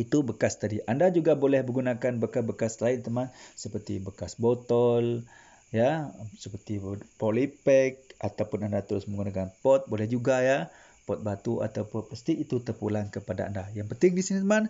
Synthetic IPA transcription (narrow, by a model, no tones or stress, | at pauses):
it̪ubəkast̪adiʔandad͡ʒuɡabolɛhbəɡunakanbəkabəkaslaɪnt̪əmansəpərt̪ibəkasbot̪ɔl | jasəpərt̪ipolipɛk̚ʔat̪awpʊnandat̪əɾʊsməŋɡunakanpɔt̪̚bolɛhd͡ʒuɡaja | pɔt̪̚bat̪uʔa̰t̪awpʊnpəst̪iːt̪ut̪ərpulaŋkəpadaa̰ndajaŋpənt̪ɪŋdisinit̪əman